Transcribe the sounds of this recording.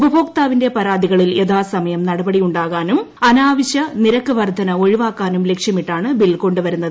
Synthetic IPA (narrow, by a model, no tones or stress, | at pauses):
ubɐbʱoːk̚t̪aːʋinde̞pɐɾaːd̪iɣɐɭile̞ðaːsɐmɐjɐmnɐɽɐbɐɽijuɳɖaːɣaːnum | ɐnaːʋɐɕjɐniɾɐkːɐʋɐrd̪ʱɐnɐo̞ɻiʋaːkːaːnumle̞kʂjɐmiʈːaːɳɨbilko̞ɳɖɨʋɐɾunːɐðɨ